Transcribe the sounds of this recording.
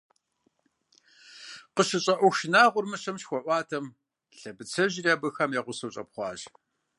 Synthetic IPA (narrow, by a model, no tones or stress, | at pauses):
qəɕɪɕʼɐʔʷʊʃɪnaːʁʷʊrmɨɕɐmʃxʷɔʔʷɑːtʰɐm | ɬɐbɨt͡sʰɐʑɪraːbɨxɐmjaʁʷʊsɐwɕʼɐ̰pχʷɑ̰ːʑ